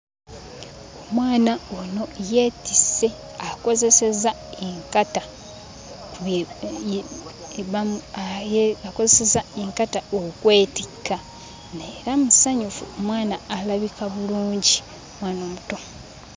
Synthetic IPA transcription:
o̞mwaːnaono̞jeːtise̞ | ako̞zeseza | eŋkata | k | βa | ako̞zesezaeŋkataokwe̞ːtikːa | neɾamusaɲufṵomwaːnaːlaβikaβuluːɲɟi | omwaːnoːmuto̞

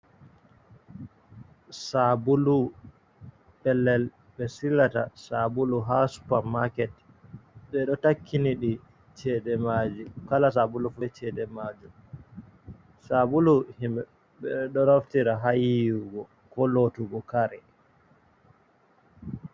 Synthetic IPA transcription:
sabulu | pɛlːɛl | ɓɛsilatasabuluɦasu̥pamakɛt | ɓɛɗɔtakʰːiniɗi | t͡ʃɛdɛmad͡ʒikalas̬abulufut͡ʃɛdɛmad͡ʒum | sabuluhim | ɓɛɗɔnaftiɾaɦajijuɡɔ | kɔlotuɡɔkaɾɛ

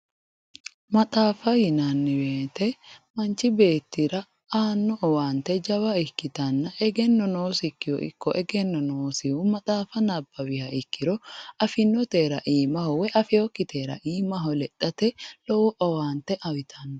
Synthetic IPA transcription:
mɐt̪ʼaːfɐjɪnɐnːɪbeːt̪ɛmɐnt͡ʃːɪbe̞ːt̪ːɪɾɐ | aːnːɔʔɔwaːnt̪ːɛd͡ʒɐwɐɪkːɪt̪ɐnːɐʔɛɡɛnːɔno̞ːsɪkːɪjɔ̰ʔɪ̰kːɔʔɛɡɛnːɔnoːsɪwʊmɐt̪ʼaːfɐnɐbːɐwɪhɐɪkːɪɾɔɐfɪnːɔt̪eːɾɐʔiːmɐhɔwɛʔɐfɪjɔkːɪt̪ʰeːɾɐ̰ʔiːmɐɦɔlɛtʼːɐt̪ɛlɔwɔʔɔwaːnt̪ɛʔɐwɪt̪ʰɐnːɔ

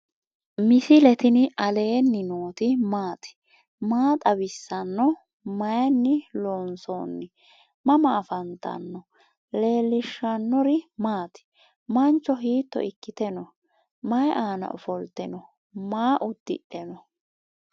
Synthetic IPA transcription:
mɪsɪlɛt̪ɪnɐle̞ːnːɪnoːt̪ɪmaːt̪ɪ̥ | maːt̪ʼɐbɪsːɐnːɔ | mɐjnːɪloːnso̰ːnːɪ | mɐmɐːfɐnt̪ːɐ̰nːɔ | le̞ːlːɪʃːɐnːɔɾɪmaːt̪ɪ̥ | mɐnt͡ʃːɔɦiːt̪ːɔ̰ʔɪkːɪt̪ɛnɔ | mɐjʔaːnɐ̰ʔʊfɔlt̪ːɛnɔ | maːʔʊd̪̥ːɪ̰ɗɛnɔ

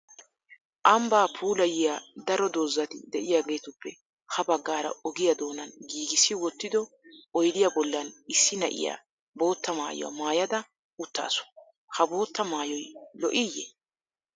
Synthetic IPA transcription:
ʔɐmbaːpʰuːlɐjɪjad̪ɐɾɔd̪oːzːɐt̪ɪd̪ɛʔɪjaːɡe̞ːt̪ʊpːɛ | hɐbɐɡːaːɾɐ̰ɔɡɪjɐd̪o̞ːnɐnɡiːɡɪsːɪwɔt̪ːɪd̪ɔ | ɔjd̪ɪjabɔlːɐnɪsːɪnɐ̰ʔɪ̰ja̰ː | bo̞ːt̪ːɐma̰ːjɔ̰wa̰maːjɐd̪ɐ | ʊt̪ːa̰ːsɔ̥ | hɐbo̞ːt̪ːɐmaːjɔjlɔ̰ʔɪjːɛ̰

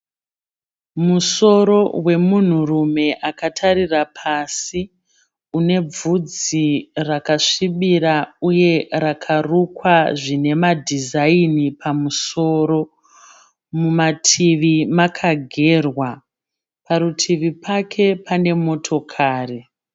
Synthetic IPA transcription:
muso̞ɾo̞we̞mun̤urume̞ʔakatʰaɾirapʰasi | une̞b͡vud͡zirakaʂiɓiɾauje̞rakʰarukwaʐine̞madʱizainipʰamuso̞ːɾo̞ | mumatʰiʋimakʰaɡʱe̞ːrwa | paɾutʰiʋipʰakʰe̞pʰane̞mo̞tʰo̞kʰaːri

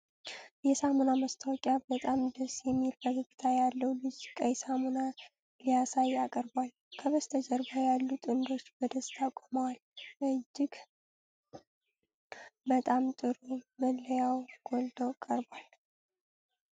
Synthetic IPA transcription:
jɛsamonaməst̪ʰəwɔkʼjabət̪ʼamd̪əsjɛmːilbəɡəɡɨt̪ʰajalːəwlɨd͡ʒkʼəjɛsamona | lijasajakʼəɾbwal | kʰəβəst̪ʰəd͡ʒəɾbajalːut̪ʼɨnd̪o̞t͡ʃːbəd̪əst̪ʰakʼoməwalɨd͡ʒːɪɡ | bət̪ʼamt̪ʼɨɾuməlːəjawɡ̥old̪əwkʼəɾbwal

